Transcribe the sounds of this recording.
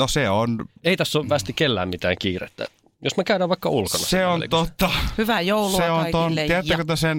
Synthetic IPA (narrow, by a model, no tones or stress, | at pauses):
noseoneit̪æsːoʋʋæst̪ikelːæ̰ːmmit̪æ̰ːŋkiːrḛt̪ːæ̰ | josmækæydæʋɑikːɑulkonɑseonḛt̪ot̪ːɑhyʋæjouluseont̪oniæt̪ːækøt̪æsen